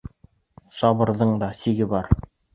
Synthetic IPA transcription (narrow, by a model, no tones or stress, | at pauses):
sɑβɤ̆ɾðɤɴd̪ɑsiɡɘbɑɾ